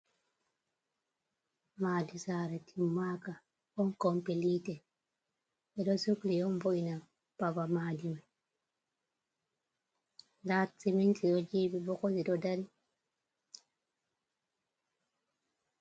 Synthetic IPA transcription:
maːdisaːɾɛtʰimːaka | ɔnkɔmpiliːtɛ | ɛɗɔsuklijɔnvoʔina | pabamaːdima | ndat͡simintiɗɔd͡ʒiːbibɔkɔsiɗɔdaɾi

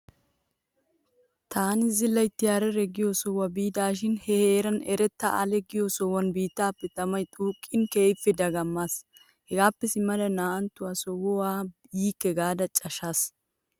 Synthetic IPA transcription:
t̪ʰaːnɪzɪlːɐjt̪ːɪjaːɾɛɾɛɡɪjosɔwɐbiːd̪aːʃ̬ɪnhɛheːɾɐnɛ̰ɾɛt̪ːɐɐ̰lɛɡɪjosɔwɐnbiːt̪ːaːpːɛt̪ɐmɐjt̪ʼuːkʼːɪnkeːfːɛd̪ɐɡɐmːaːs | hɛɡaːpːɛsɪmːɐlɐnaːɐnt̪ːʊwaːsɔwɔwaːjiːkːɛɡaːd̪ɐt͡ʃʼɐʃas

